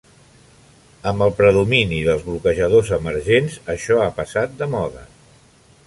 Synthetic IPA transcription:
əmbəlˠpɾəðuminiðəlˠzβlukəʒəð̞ozəməɾʒenzəʃɔapəsat̪̚d̪əmɔðə

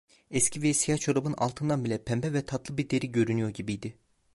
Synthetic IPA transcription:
ɛscʰivɛsijat͡ʃʰoɾabɯna̰lˠt̪ʰɯnd̪anbilʲɛpʰɛmbɛvɛt̪ʰat̪lˠɯbiɾd̪e̞ɾiɟø̞ɾynyjo̞ɾɟibijd̪ɪ

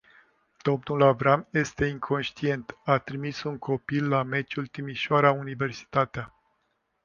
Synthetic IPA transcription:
d̪̥o̞mnulavɾamje̞st̪e̞iŋkʰo̞nʃt̪ie̞nt̪at̪ɾimisuŋkʰo̞pilːame̞t͡ʃult̪imiʃoaɾaunive̞rsi̥t̪at̪ea

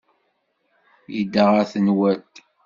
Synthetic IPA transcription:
jid̪ːaʁæθənwæt̪

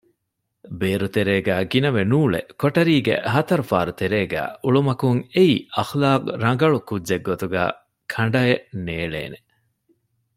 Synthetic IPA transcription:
beːɾut̪eɾeːɡæːɡinɐʋenuːɭḛkoʈɐɾiːɡḛɦɐt̪ɐɾufaːɾut̪eɾeːɡæ̰ːuɭumɐkuŋeiːɐxlaːqɾɐŋɡɐɭukudːʒeɡːot̪uɡæ̰ː | kʰɐɳɖɐeneːɭḛːne

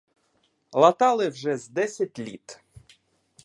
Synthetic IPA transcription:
lˠɐt̪ɑlˠɪwʒɛzd̪ɛsʲɐt̚ʲlʲḭt̪

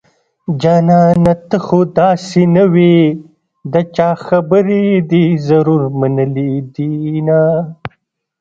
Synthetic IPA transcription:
d͡ʒɑːnɑnat̪əxod̪ɑːsinɐwi | d̪ət͡ʃɑːxɐbəɾed̪izɐɾuɾmɐnəlid̪ina

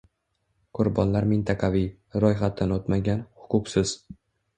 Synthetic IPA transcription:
qʰʊɾbɒnlaɾmɪnt̪ʰɑqʰɑvij | ɾɒjχat̪̚d̪anot̪maɡʲanhʊqʰʊqsɪz̥

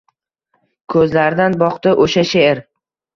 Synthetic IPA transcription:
kʰɵzlaɾd̪anbɒqt̪ɪʔoʃaʃeeɾ

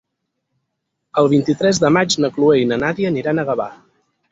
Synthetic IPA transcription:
əlˠβ̞int̪it̪ɾɛzðəmat͡ʃnəklueinənaðiəniɾanəɣəβa̰

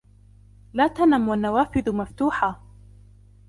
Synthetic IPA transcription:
laːt̪anamwanːawaːfɪðmaft̪uːħa

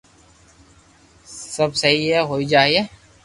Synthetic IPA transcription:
səbsɐɦiɦɛɦoːid͡ʒaːieː

